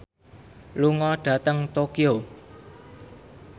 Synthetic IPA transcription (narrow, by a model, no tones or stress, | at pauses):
luŋɔɖ̥ä̤t̪əŋt̪okio